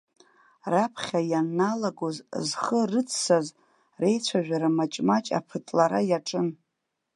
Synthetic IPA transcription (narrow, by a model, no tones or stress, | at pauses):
rapʰχʲajanːalaɡozzχərɨt͡sʰsaz | re̞jt͡ɕʷʰaʒᶣaɾamat͡ʃʼmat͡ʃʼa̰pʰɨtʼlaɾajaʈ͡ʂʼɨn